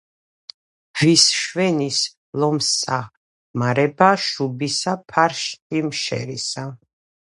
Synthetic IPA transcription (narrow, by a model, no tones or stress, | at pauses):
visʃwɛnis | lɔmsa | maɾɛbaʃubisapʰaɾʃt̪ʼimʃɛ̰ɾisa